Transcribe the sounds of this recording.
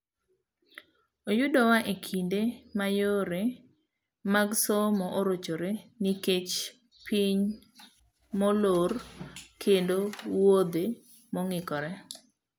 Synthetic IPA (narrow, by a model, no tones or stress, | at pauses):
ojʊdɔwaʔekʰindemajoɾe | maɡsomɔʔoɾot͡ʃoɾeniket͡ʃ | pʰiɲ | mɔlorkʰendowod̪e | mɔŋɪkɔɾɛ